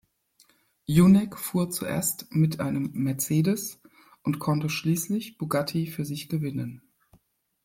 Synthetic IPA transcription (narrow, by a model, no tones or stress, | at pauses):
junɛkfuːɐt͡sṵʔḛːɐstmɪtʔa̰ɪnəmːɛɐt͡seːdəs | ʔʊntkʰɔntəʃliːslɪçb̥uɡatʰifyːɐzɪçɡ̥əvɪnən